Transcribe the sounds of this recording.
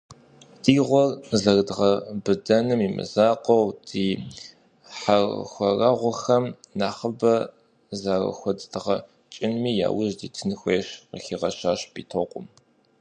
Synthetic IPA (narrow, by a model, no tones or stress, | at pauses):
d̥iːʁʷɔrzɐrdʁɐbɨdɐnɨmiːmɨ̰zaːqʼɔwdiː | ħarxʷɔrɐʁʷʊxɐmnaːχəbɐ | zaːrɐ̰xʷɔddɨʁɐ | t͡ʃʼɪnmiːja̰ːwʊʒdiːtʰɨnɨxʷeːɕqə̰xiʁɐʃaːɕb̥ḭːtʰoqʷʼʊm